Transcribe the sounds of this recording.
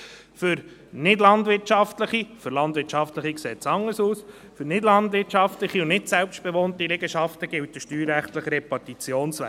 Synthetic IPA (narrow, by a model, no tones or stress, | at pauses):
fʏɾ | nɪdlɑnd̪ʋɪɾtt͡ʃɑftləχifʏɾlɑnd̪vɪtt͡ʃɑftləχiksɛːt͡sɑŋːəsuːs | fʏɾnɪdlɑnd̪ʋɪɾtt͡ʃɑftləχiʊnnɪtsɛlpʃt̚b̥ɛʋoːnt̪iɾɛɡəʃɑft̪əɡ̥ɪlt̚dəʃtyːɾːæχtləχəɾepɑtit͡sjoːnsʋæ̰